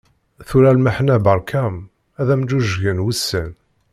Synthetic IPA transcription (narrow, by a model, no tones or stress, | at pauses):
θuɾælməħnæbəɾˤkʰæm | æðæmd̪uʒʝənwəsːən